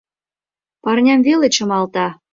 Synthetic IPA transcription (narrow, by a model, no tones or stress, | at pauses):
pɑrnʲɑmvelĕt͡ɕɤ̆mɑlt̪ɑ